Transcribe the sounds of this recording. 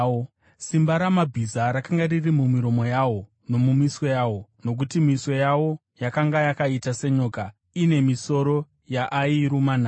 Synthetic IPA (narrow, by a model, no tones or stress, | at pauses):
simbaɾamabʱizaɾakaŋɡaririmumiɾo̞mo̞jawo̞ | no̞mumiswo̞jaːwo̞no̞k̬utimiswo̞jawo̞ | jakaŋɡajakaitase̞ɲo̞ːka | ine̞miso̞ɾo̞ | jaʔaiɾumana